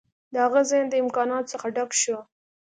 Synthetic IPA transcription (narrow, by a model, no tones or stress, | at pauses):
d̪əaɣəzɑjnd̪əɪmkɑnɑt̪səxaɖakʃo